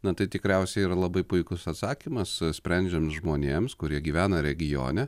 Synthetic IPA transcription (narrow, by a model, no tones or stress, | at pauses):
nɐt̪ɐɪt̪ʲɪkɾʲɛʊsʲɛɪiːɾɐlˠɐbɐɪpʊɪkʊsɐt̪sɑːkʲimɐssʲpʲɾʲɛnʲd͡ʒʲɛmsʒmoːnʲeːmskʊɾʲiɛɡʲiːʋʲæːnɐɾʲɛɡʲɪjo̰ːnʲɛ